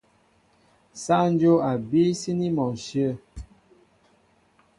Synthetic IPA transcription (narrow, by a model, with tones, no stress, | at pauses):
sa˦n˦d͡ʒo˦a˨bi˦si˦ni˦mɔ˨ʃə˦˨